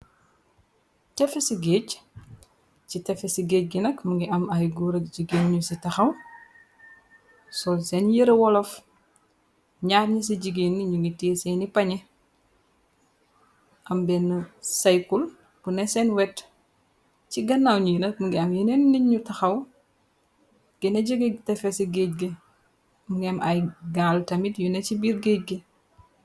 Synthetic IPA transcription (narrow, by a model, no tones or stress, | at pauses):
tɛfɛsiɡeːc | citɛfɛsiɡeːc̚ɡinɐkmuŋɡiʔɐmɐjɡuɾɐkɟiɡenɲusitɐxɐw | sɔlsɛnjəɾɐwɔlɔf | ɲaːɾɲis̬iɟiɡenːiɲuŋɡiteːsɛːnipɐɲɛ | ʔɐmbɛnːɐsajkul | bunɛsɛnwɛt | t͡ʃiɡɐnːawɲujinɐmuŋɡɛɐmjinenːiɲɲutɐxɐw | ɡ̥eneɟiɡetɛfɛsiɡeɟ̚ɡe | muŋɡɛmajɡaltɐmitjunet͡ʃibiɾɡec̚ɡe